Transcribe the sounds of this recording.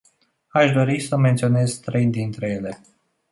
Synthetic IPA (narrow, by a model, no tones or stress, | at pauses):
aʃd̪o̞ɾisəme̞nt̪sio̞ne̞zt̪ɾe̞jd̪int̪ɾe̞je̞le̞